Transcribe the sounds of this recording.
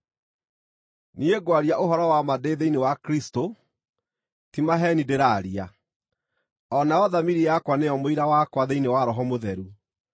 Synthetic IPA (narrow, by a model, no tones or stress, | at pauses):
nieɡwaɾjaʔoɦɔɾɔwamadeðeinewakɾisto | timaɦɛnideɾaɾia | ɔnaɔðamiɾijakwanejɔmoiɾawakwaðeinewaɾɔɦɔmoðɛɾu